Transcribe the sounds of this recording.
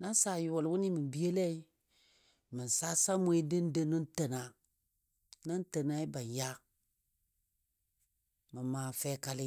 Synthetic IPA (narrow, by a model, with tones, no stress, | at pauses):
na˦sa˨ju˨wo˨lwu˦ni˦mi˨bi˦e˦lɛ˦i˦ | mə˨n˨sa˦sa˦mu˦e˦də˦n˦də˦nə˦n˦tə˨na˨ | na˦n˦tə˨na˦i˦ba˨ja˦ | mə˨maː˨fɛ˦ka˦lɪ˦